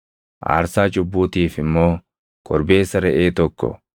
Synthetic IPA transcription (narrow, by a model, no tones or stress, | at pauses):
ʔa̰ːɾsaːt͡ʃʼʊbːuːt̪iːfɪmːo̞ː | kʼɔɾbe̞ːsːɐɾɛʔeːt̪ɔkːɔ̰